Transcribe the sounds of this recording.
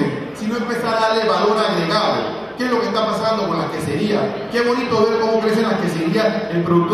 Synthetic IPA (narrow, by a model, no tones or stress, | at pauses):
e | sinoempe̞saɾaðaɾleβalo̞ɾaɣɾeɣaβo̰ | kezlo̞kest̪apasand̪oko̞nlaskeseɾia̰ | keβo̞nit̪oβe̞ɾko̞mokɾesenlaskeseɾiaelpɾoðuk̚t̪